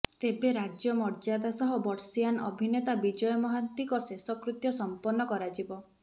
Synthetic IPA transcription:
t̪ebeɾad͡ʒjɔmɔɾd͡ʒad̪asɔɦɔbɔɾsijanɔ̰bʱinet̪abid͡ʒɔjɔmɔɦant̪ikɔsesɔkɾut̪jɔsɔmpɔnːɔkɔɾad͡ʒibɔ

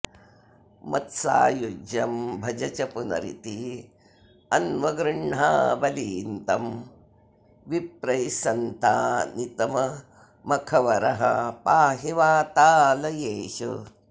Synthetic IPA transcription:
mɐt̪sa̰ːjud͡ʒjɐmbʱɐd͡ʒɐt͡ʃɐpunɐ̰ɾḭt̪i | ɐnʋɐɡɾɨɳɳa̰ːbɐliːnt̪ɐm | ʋip̚ɾɐjsɐnt̪aːnit̪ɐmɐ | mɐkʰɐʋɐɾɐɦɐ̰paːɦeʋaːt̪aːlɐjeːʃṵ

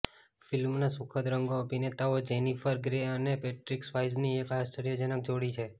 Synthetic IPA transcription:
filmnasukʰəd̪ɾəŋɡoəpinet̪aod͡ʒenipʰəɾɡɾeənepeʈɾiksʋajzniekɦast̪əɾijəd͡ʒənək̚d͡ʒoɽit͡ʃʰe

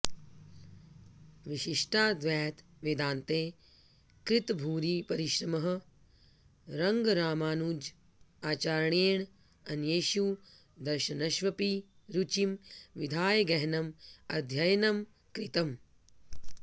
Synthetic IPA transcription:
ʋiʃiʂʈʰaːd̪ʋɛːt̪ | ʋid̪aːnt̪eː | kɾɪt̪bʱuːɾiːpɐɾiʃɾɐmɐɦɐ̆ | ɾɐŋɡɾaːmaːnuːd͡ʒ | aːt͡ʃaːɾɳeːɳ | ɐnjeːʃu | d̪ɐɾʃɐnɐʃʋɐpi | ɾut͡ʃimʋid̪ʱaːjɡɐɦnɐmɐ̰d̪ʱjɐjɐnɐm | kɾit̪ɐm

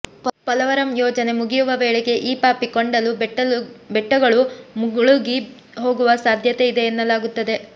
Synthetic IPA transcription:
pɐlɐʋɐɾɐmjɔːd͡ʒɐne̞muɡijuʋɐʋɛːɭeɡe̞ʔiːpaːpikoɳɖɐlu | bɛʈːɐɡɐɭumuɡuɭuɡi | ɦo̞ːɡuʋɐsaːd̪ʱjɐt̪eid̪e̞ːnːɐlaːɡut̪ːɐd̪e̞

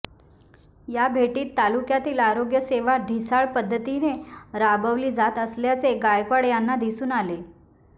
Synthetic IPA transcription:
jabʱeʈiːt̪ːalukjat̪iːlaɾoɡjəseʋaɖʱisaɭpəd̪ʱːət̪ineɾabəʋliːd͡zat̪əsljat͡seɡajkaɽjanːad̪isuːnale

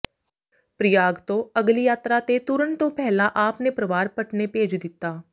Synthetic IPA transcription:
pɾɪjaːɡt̪õːəɡlijaːt̪ɾat̪et̪ʊɾəɳt̪õːpɛːlaʔaːpnepɾəʋaːɾpəʈnepeːd͡ʒd̪ɪt̪ːaː

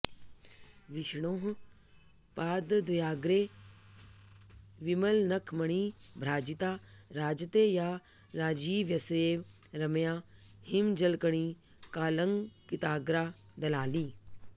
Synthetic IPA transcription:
ʋɪʃɳ̃oːɦ | paːd̪d̪ujaːɡɾe | ʋimɐlnɐkʰmɐɽ̃iːbʱɾaːd͡ʒit̪aːɾaːd͡ʒət̪ejaː | ɾaːd͡ʒiːʋjɐseːʋɾɐmjaːhimd͡ʒɐlkəɽ̃iː | kaːləŋɡkit̪aːɡɾaː | d̪ɐlaːliː

